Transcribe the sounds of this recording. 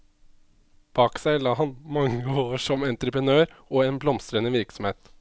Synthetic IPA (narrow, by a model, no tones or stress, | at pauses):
b̥ɑːksæɪlɑːɦɑnmɑŋːəoːʂɔmɛnt̪ɾəpɾənøːɾʔoːeːnblɔmst̪ɾənəʋɪɾksɔmheːt̪